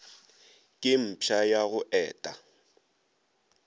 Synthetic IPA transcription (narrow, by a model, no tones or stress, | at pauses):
kʼɪm̩pʰajaɣʊʔɛːtʼa